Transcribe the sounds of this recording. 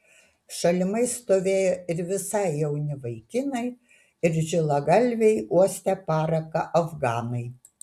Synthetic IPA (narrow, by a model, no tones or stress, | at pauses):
ʃɐlʲɪmɐɪst̪oːʋʲeːjoɪɾʋʲɪsɐɪjɛʊnʲɪʋɐɪkʲɪnɐɪ | ɪɾʒʲɪlˠɐɡɐlʲʋʲɛɪuɔsʲt̪ʲɛpɑːɾɐkɐʔɐfɡɑːnɐɪ